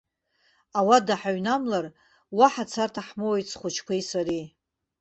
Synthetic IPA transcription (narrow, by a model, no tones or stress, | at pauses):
awadaħaɥnamlar | waħat͡sʰartʰaħmowjt͡sʰχʷʊt͡ʃʰkʷʰejsaɾi